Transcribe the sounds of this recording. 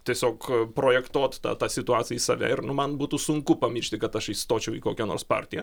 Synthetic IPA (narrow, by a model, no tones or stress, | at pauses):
t̪ʲiɛsʲoːkpɾoːjɛkt̪oːt̪t̪ɑ̰ːt̪ɑːsʲɪt̪ʊɑːt̪sʲɪjɛisɑ̰ʋʲæ̰ːɪrnʊmɐnbuːt̪uːsʊŋkʊpɐmʲiːʃʲt̪ʲɪkɐt̪ɐʃist̪oːt͡ʃʲɛʊiːkoːkʲɛnoːrspɑ̰ːrʲt̪ʲɪjɛ